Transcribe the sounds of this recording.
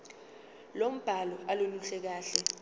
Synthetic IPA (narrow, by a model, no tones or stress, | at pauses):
lom̩b̥ʱalɔʔaloluɬɛk̬aːɬɛ